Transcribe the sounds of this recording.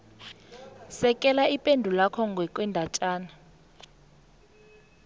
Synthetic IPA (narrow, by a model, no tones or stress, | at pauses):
sɛkʼɛlaipʼendʱulakʰɔŋɡʱwɛkʼwɛndʱat͡ʃʼaːna